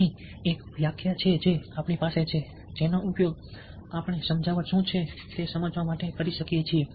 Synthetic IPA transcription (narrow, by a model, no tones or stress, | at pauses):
iekʋjakʰjat͡ʃʰed͡ʒeapɳipaset͡ʃʰe | d͡ʒenoʔupjoɡ | apəɳ̃esəmd͡ʒʱaʋaʃũt͡ʃʰe | t̪esəməd͡ʒʋamaʈekəɾiʃəkjet͡ʃʰie